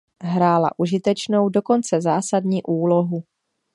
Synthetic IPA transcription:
ɦɾaːla̰ʔuʒɪt̪ɛt͡ʃnowdo̞ko̞nt͡sɛzaːsadɲiːʔuːloɦu

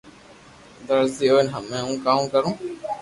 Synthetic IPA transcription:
d̪əɾziːoːɪnɦəmːɛ̃ːũːkaːmkəɾũː

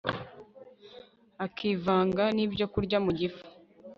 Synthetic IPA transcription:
akʰiːvaːŋɡaniːbɟo̞kuɾɟamuɟifu̥

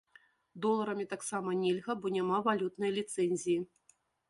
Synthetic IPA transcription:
d̪ɔlˠɐɾɐmʲit̪aksamɐnʲelʲɣɐbɔnʲamavalʲut̪nɐjlʲit̪sɛnʲzʲiji

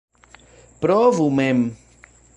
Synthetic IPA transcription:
pɾɔvumem

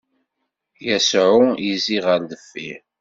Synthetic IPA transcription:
jæsʕʊjiziʁəɾðəfːiɾ

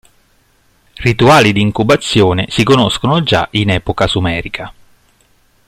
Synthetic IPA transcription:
rit̪uaːlid̪iːŋkubat̪sːjoːnesikonoskonod͡ʒa̰ʔinɛːpokasumɛːɾikʰa

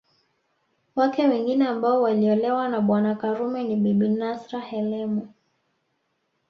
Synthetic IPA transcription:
wakɛwɛŋɡinɛambaɔwaliɔlɛwanaɓwanakaɾumɛniɓiɓinasɾahɛlɛmu

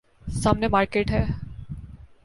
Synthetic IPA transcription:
samnemaɾkeʈɦɛ

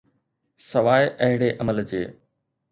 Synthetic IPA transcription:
sɐʋaːɪʔɐɦɪɽeʔɐməld͡ʑeː

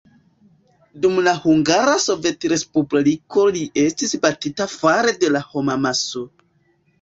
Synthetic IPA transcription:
dumlahuŋɡaɾaso̞ve̞tɾe̞spubliko̞liʔe̞stisbatitafaɾe̞de̞laho̞mamaso̞

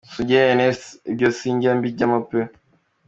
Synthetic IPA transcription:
suɟeneebjosiːɲɟambiɟamape

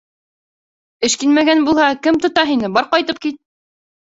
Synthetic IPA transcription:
ɘ̆ʃkinmæɡænbulˠhɑkɘmt̪ŏt̪ɑɦinɘbɑɾqɑjt̪ɤp̚kit̪̚

